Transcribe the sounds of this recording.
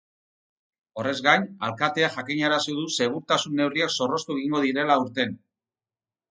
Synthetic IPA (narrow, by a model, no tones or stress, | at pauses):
o̞re̞zɡajɲa̰lkat̪e̞aʝakiɲaɾasiðuse̞β̞uɾt̪asunːe̞wriakso̞ro̞st̪ueɣ̞iŋɡo̞ð̞iɾe̞lauɾt̪e̞n